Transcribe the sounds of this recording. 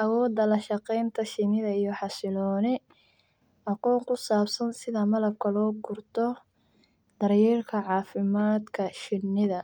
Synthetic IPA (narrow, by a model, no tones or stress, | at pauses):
ʔɐwɔːd̪ɐlɐʃɑqɛjnt̪ʰɐʃɪnɪðɐijɔħɑsɪlɔːnɪ | ʔɑqɔːŋkʰʊsaːbsɐnsɪðɐmɐlɐb̚kʰɐlɔːɡʊrt̪ʰɔ | d̪̥ɐrjɛːrkʰɐʕɑːfɪmaːd̪kʰɐʃɪnːɪðɐ